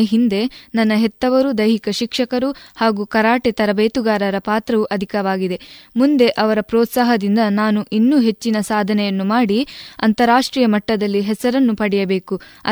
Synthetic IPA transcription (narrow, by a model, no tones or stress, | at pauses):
eɦind̪e̞nɐnːɐɦɛt̪ːɐʋɐɾud̪ɐjɦikɐʃikʂɐkɐɾuhaːɡukɐɾaːʈet̪ɐɾɐbeːt̪uɡaːɾɐɾɐpaːt̪ɾɐʋuʔɐd̪ʱikɐʋaːɡid̪e̞mund̪e̞ʔɐʋɐɾɐpɾɔːt̪saːɦɐd̪ind̪ɐnaːnuʔinːuːɦe̞t͡ʃːinɐsaːd̪ʱɐnɛjɐnːumaːɽiɐ̰nt̪ɐɾaːʂʈɾiːjɐmɐʈːɐd̪ɐlːiɦɛsɐɾɐnːupɐɽɛjɐbe̞ːkuɐ̰